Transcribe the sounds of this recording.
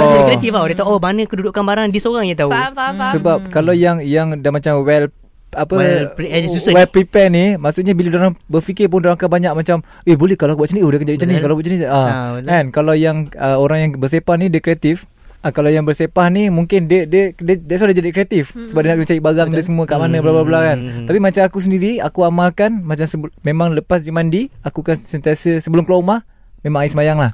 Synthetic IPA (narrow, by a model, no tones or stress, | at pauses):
oat̪ifaodet̪awʔobanəkəduduʔkanbaɾandisoɾaŋjat̪ausəbap̚kalawjaŋjaŋdamat͡ʃamwɛl | apəiuwɛlpɾipɛnimaʔsuʔɲabiladoɾaŋbərfikɪrp̬ʊndoɾaŋkabaɲak̚mat͡ʃam | ebolɛhkalakbuaʔt͡ʃəniʔudahkand͡ʒadit͡ʃənikalabaʔt͡ʃəniʔaɛnkalawjaŋəoɾaŋjaŋbərsepahnidəkɾiat̪ɪf | akalawjaŋbərsepahnimuŋkɪndədədədaʔs̬adəd͡ʒadikɾiat̪ɪfsəbap̚diənaʔkənət͡ʃajibaɡaŋdəsəmuəkaʔmanəbəlablabəlakant̪apimat͡ʃamakus̬əndiɾia̰kuamalkanmat͡ʃamsəmemãŋləpas̬d͡ʒəmandiakukansənt̪iasəsəbəlʊmkloumah | memãŋaisəmajaŋlah